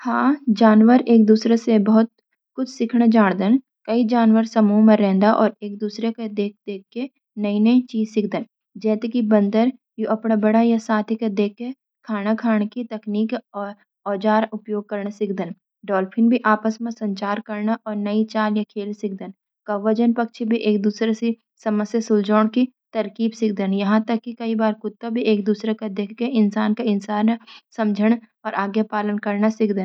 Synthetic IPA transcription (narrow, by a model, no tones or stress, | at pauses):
hãːd͡ʒaːnwəɾeːk̚d̪uːsɾesebɐɦʊt̪̚ | kʊt͡ʃʰsɪkʰɽ̃ad͡ʒaːɽ̃d̪ən | kɐid͡ʒaːnʋəɾsɐmumẽɾɛ̃ːnd̪aʔɔːɾeːk̚d̪uːsɾeked̪eːk̚ʰd̪eːkʰːe | nəinɐit͡ʃiːzsɪkʰd̪ən | d͡ʒɛːt̪ekibə̃nd̪əɾ | juʔɐpnabɐɽajasaːt̪ʰiked̪eːkːe | kʰaːñakʰaːɽ̃kit̪ɐkniːkɔ | ɔːd͡ʒaːɾʊpjoːɡ̚kəɾɳ̃asɪkʰd̪ən | ɖɔːlpʰɪ̃nbʱiʔaːpəsmẽsɐ̃ɲt͡ʃaːɾkəɾnaʔɔːɾnəit͡ʃaːljakʰeːlsɪk̚d̪ən | kɐʋːəd͡ʒənpɐkt͡ʃʰibʱiʔeːk̚d̪uːsɾesi | sɐməsjasʊld͡ʒɔːɽ̃ki | t̪ɐɾkiːbsɪk̚d̪ənjɐɦãt̪əkːikɐibaːɾkʊt̪ːəbʱieːk̚d̪uːsɾekad̪eːkʰːeɪnsaːnkaɪnsaːnsɐmd͡ʒʱəɽ̃ | ɔːɾʔaːɡjapaːlənkɐɾnasɪkd̪ən